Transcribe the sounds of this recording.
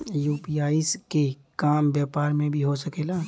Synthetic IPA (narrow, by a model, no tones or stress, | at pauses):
juːpiːaːɪske | kaːmbjɛːpaːɾmẽbʱiɦosəkeːlaː